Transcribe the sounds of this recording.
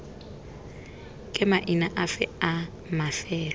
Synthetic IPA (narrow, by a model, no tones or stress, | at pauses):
kʼɪmaʔinaʔafɛa | mafɛːl